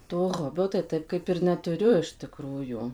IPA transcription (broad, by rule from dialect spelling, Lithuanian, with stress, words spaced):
toː ˈɣoːbʲoː tɐɪ ˈtɐɪp ˈkɐɪp ɪr nʲɛˈtʊrʲʊ ɪʃ tʲɪˈkruːjuː